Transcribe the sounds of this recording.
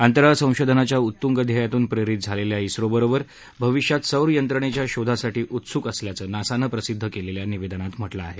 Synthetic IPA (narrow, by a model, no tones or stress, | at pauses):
ant̪əɾasə̃w̃ɕod̪ʱənat͡ɕjaut̪ːuŋɡəd̪ʱjajat̪uːnpɾeɾit̪̚d͡zʱaleljaisɾobəɾobəɾ | bʱəʋiɕjat̪səwɾjənt̪ɾəɳ̃et͡ɕjaɕod̪ʱasaʈiːʔut̪sukəsljat͡səːnasanəpɾəsid̪ʱːəkeleljaniʋed̪ənat̪m̤əʈlaːɦe